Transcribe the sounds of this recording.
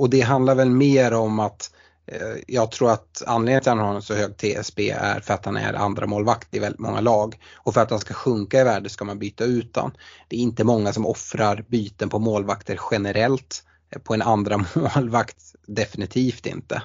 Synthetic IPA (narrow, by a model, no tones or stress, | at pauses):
ɔd̪ɛɦand̪laɾvɛlmeːɾɔmat̪ | jɑːɡ̚t̪ʰɾuːɾat̪a̰nːleːɡnt̪ɪhanhaɾɛnsɔhøːɡ̚t̪ʰeːɛ̰sbḛːæ̰ɾfœɾat̪hanæ̰ɾa̰nd̪ɾa̰moːlvakt̪ɪvɛlɪt̪mɔ̰ŋːa̰lɑːɡɔfœɾat̪̚danskaɧɵŋkaɪvæːɖəsɔskamanbyːt̪aʉ̟ːt̪̚da̰nd̪̥ɛːɾɪnt̪əmɔŋːasɔmɔfɾaɾbyːt̪ənpʰɔmoːlvakt̪əɾɧɛnɛɾɛlt̪ | pʰɔɛnand̪ɾamoːlvakt̪d̪ɛfɪnɪt̪ʰiːft̪ɪ̰nt̪ə̰